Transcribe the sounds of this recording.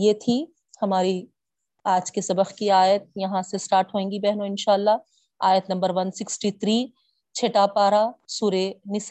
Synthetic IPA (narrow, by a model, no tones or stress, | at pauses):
jeːt̪ʰi | hɐmaːɾi | aːd͡ʒkesɐbəxkiaːjət̪̚jɐɦãsesʈaːɾʈɦõẽːŋɡibɛɦnoɪnʃaːəlːa | aːjət̪nɐ̃mbəɾʋɐnsɪksʈit̪ʰɾiː | t͡ʃʰeːʈapaːɾasuːɾenɪs